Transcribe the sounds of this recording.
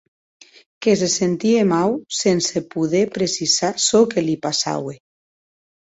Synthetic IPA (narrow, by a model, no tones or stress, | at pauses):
kes̬esent̪iemawsensepuðepɾesisasɔkelipasa̰we